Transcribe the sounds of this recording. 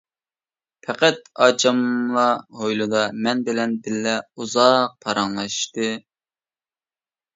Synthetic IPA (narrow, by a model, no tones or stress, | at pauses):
pʰɛqæt̪̚ɑt͡ʃʰɑmlˠɑɦojlˠɨd̪ɑmɛnbɪlɛnb̪ɪlːɛuzɑq̚pʰɑɾɑŋlˠɑʃʃt̪ɨ